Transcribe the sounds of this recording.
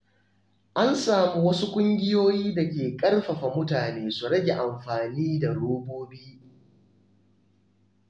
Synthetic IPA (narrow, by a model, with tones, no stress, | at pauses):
ʔa˦nsaː˨mu˦wɐ˦su˦kʷʼʊ˦ŋɡʲɪ˦joː˦jiː˦dɐ˨kʲeː˨kʼɐ˦rɸɐ˨ɸa˨mʊ˦taː˨neː˦su˨ɽɐ˦ɡʲe˨ʔa˨mɸaː˨niː˦da˨ɽoː˦boː˦biː˦